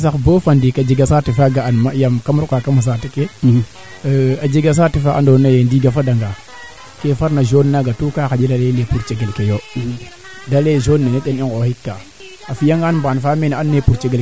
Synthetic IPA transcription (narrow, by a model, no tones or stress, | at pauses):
sakbofandikad͡ʒiɡasatifaɡaanmajamkamɾukakamas̬atike | ad͡ʒiɡas̬atifaʔa̰ndonajendiɡafadaŋɡa | kefaɾnaʒonːaɡatukakad͡ʒilalelepuɾt͡ʃeɡelkejo | daleʒonːeneɗeniɡohikːa | afijaŋɡanmbanfamenanːepuɾt͡ʃeɡel